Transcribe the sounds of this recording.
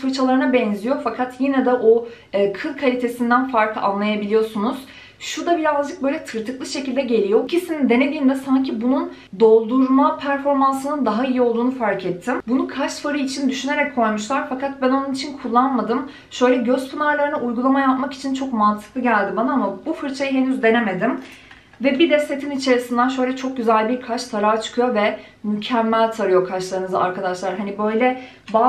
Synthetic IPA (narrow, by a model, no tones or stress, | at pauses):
fut͡ʃʰalˠaɾɯnabɛnzijo̞fakʰat̪jinɛd̪ɛʔoː | kʰɯlˠkʰalʲit̪ʰe̞sind̪ænfaɾkˠɯa̰nlˠajabilʲijo̞sunuz̥ | ʃud̪abiɾazd͡ʒɯk̚bø̞jlʲɛt̪ʰɯɾt̪ʰɯklˠɯʃe̞cilʲd̪ɛɟe̞lʲijocʰisinind̪e̞ne̞d̪iːmd̪ɛsaɲcʰibunun | d̪o̞lˠd̪uɾmapʰæɾfo̞ɾmansɯnɯnd̪aɦaijio̞lˠd̪uːnufaɾkʰɛt̪ʰːimbunukʰat͡ʃ̪faɾɯit͡ʃʰind̪yʃyne̞ɾɛc̚kʰːo̞jmuʃlˠaɾfakʰat̪̚bæno̞nunit͡ʃʰinkʰulˠːanmad̪ɯm | ʃø̞jlʲɛɟøzpʰunaɾlˠaɾɯnaʔujɡulˠamajapmaki̥t͡ʃʰint͡ʃʰo̞kmant̪ʰɯ̥klˠɯɟælʲd̪ibanaamabufɯɾt͡ʃʰajɯɦe̞nyzd̪e̞neme̞d̪im | vɛbid̪ɛst̪ʰet̪ʰinit͡ʃʰe̞ɾisind̪ænʃ̬ø̞jlʲɛt͡ʃʰo̞k̚ɟyzælʲbiɾkʰat͡ʃt̪ʰaɾaːt͡ʃʰɯ̥kʰɯjo̞vɛ | mycʰæmːælʲt̪ʰaɾɯjo̞kʰat͡ʃlˠaɾɯnɯzaa̰ɾkad̪aʃlˠaɾɦanibø̞jlʲɛ | baː